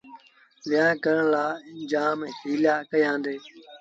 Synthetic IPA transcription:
ʋɪjãːkəɾəɳ̃laːd͡ʒaːmhiːljaːkəjãːnd̪eː

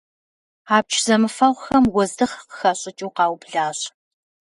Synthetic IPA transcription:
aːp̚t͡ʃʰzɐmɨfɐʁʷxɐmwɔzdɨχqəxɐɕʼɪt͡ʃʼiːqɑːwbɮaːɕ

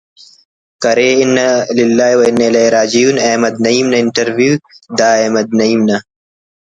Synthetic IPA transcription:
kɐɾeːɪnːɐlɪlːaːiwɐɪnːɐilɐiɾaːd͡ʑijuːneːmɐd̪̚nɐiːmnɐɪɳʈɐɾwjuːd̪aːemɐd̪̚nɐiːmnɐ

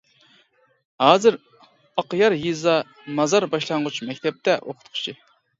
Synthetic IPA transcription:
hɑːzɨɾ | ɑqjɑɾjizɑ | mɑzɑɾbɑʃlˠɑŋʁʊt͡ʃmɛkʲt̪ʰɛp̚t̪ʰɛʔo̰qʰʊ̥t̪qʰʊ̥t͡ʃʰi

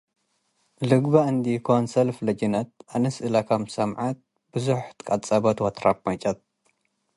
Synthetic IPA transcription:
lɨɡbɐɨnd̪ikʰonsɐlflɐd͡ʒinɐt̪̚anɨsɨlakʰɐmsɐmʕat̪̚ | bɨzuħt̪kʼɐt͡sʼɐbɐt̪wɐt̪ɾap̚mɐt͡ʃʼɐt̪̚

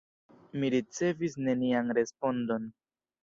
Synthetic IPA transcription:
miɾit͡se̞visne̞nianɾe̞spo̞ndo̞n

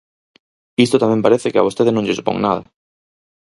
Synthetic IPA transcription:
ist̪ot̪amɛ̃mpaɾeθɪkɪaβ̞ost̪eðenõŋʎɪsu̥põ̰ŋnaðɐ̰

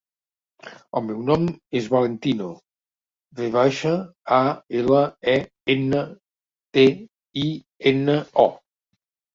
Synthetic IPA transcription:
əlˠmɛwnɔmezβalent̪ino | reβaʃəaeləɛ | enə | t̪e | i | enəɔ

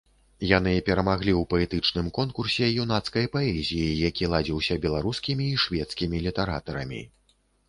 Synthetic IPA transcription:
jan̪ɨpʲɛɾɐmaɣlʲiwpɐɛt̪ɨt͡ʂnɨmkɔnkursʲɛjun̪at̪skɐjpaɛzʲijijakʲilˠad͡zʲiwsʲɐbʲɛlˠaɾuskʲimʲiːʂvʲɛt̪skʲimʲilʲit̪ɛɾa̰t̪ɐɾɐ̰mʲḭ

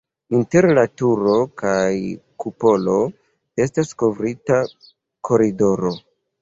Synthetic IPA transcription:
inte̞ɾlatuɾo̞kajkupo̞lo̞ | e̞stasko̞vɾita | kʰo̞ɾido̞ɾo̞

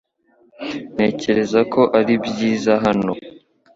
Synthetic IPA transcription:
ne̞ːce̞ɾe̞zakʰo̞ʔaɾibjiːzaɦano̞

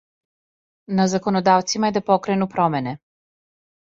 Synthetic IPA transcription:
nazakonod̪aʋt̪simaɛd̪apokɾenupɾɔmɛnɛ

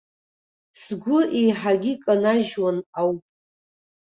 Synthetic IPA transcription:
sɡʷʊʔejħaɡʲɪkʼanaʒwanawpʼ

